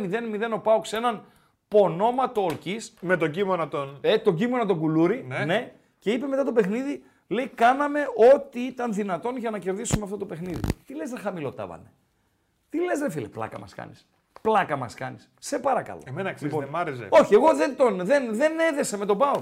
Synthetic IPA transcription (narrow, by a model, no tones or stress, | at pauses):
miðe̞nmiðe̞no̞pɐokse̞nɐn | po̞no̞mɐt̪oːlcisme̞t̪oɟimonɐt̪onet̪o̞ɟimo̞nɐt̪o̞ɡuluɾinene̞ | ce̞ipe̞me̞t̪ɐt̪o̞pe̞xniði | le̞ikɐnɐme̞o̞t̪iit̪ɐnðinɐt̪o̞nʝɐnɐce̞ɾðisumeɐft̪o̞t̪o̞pexniðḭt̪ileznɐxɐmilo̞t̪ɐ̰vɐ̰ne̞̰ | t̪ile̞zðefilḛplɐ̰kɐ̰mɐ̰skɐ̰nis | plɐkɐmɐskɐnisse̞pɐɾɐkɐ̰loemenɐksiponmɐɾezḛo̞çieɣo̞ðent̪o̞nðe̞nðe̞ne̞ðe̞sɐme̞t̪o̞pɐo